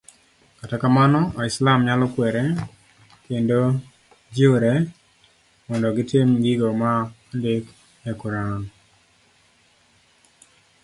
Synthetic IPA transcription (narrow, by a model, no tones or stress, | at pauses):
katakamanɔʔɔɪslamɲalɔkwɛɾe | kendo | d͡ʒoɾe | mɔndɔɡɪtɪmɡiɡomaandek | jakuɾan